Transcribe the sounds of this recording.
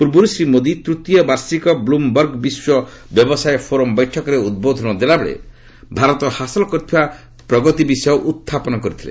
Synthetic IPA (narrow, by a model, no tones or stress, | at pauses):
puɾbuɾusɾimod̪it̪ɾut̪jɔbaɾsikɔblumbɔɾɡbiswɔbjɔbɔsajepʰoɾɔmbɔjʈʰɔkɔɾeud̪̚bod̪ʱɔnɔd̪elabeɭḛ | bʱaɾɔt̪ɔhasɔlɔkɔt̪ʰiba | pɾɔɡɔt̪ibisɔoʔut̪ʰːapɔnɔkɔɾit̪ʰilḛ